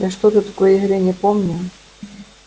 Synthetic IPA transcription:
jaʂt̪ot̪ɨt̪ɐkojəɪɣɾʲenʲəpomnʲʊ

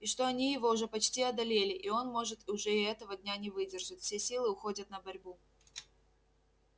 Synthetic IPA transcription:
ɪʂt̪o̞ɐnʲijɪvo̞ʊʐɛpɐt͡ɕtʲiɐd̪ɐlʲelʲɪʔio̞nmo̞ʐɨt̪ʊʐɛɪɛt̪əvədʲnʲanʲɪvɨdʲɪrʐɨtʲfsʲesʲilˠɨʊxo̞dʲət̪̚nəbɐɾʲbu

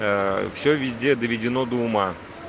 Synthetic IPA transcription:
fsʲɵvʲɪzʲdʲed̪əvʲɪdʲɪnod̪əʊma

